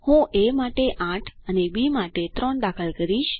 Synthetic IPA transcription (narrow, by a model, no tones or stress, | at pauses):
hũʔemaʈeʔãʈʰənebimaʈet̪ɾɔɳd̪akʰəlkəɾiʃ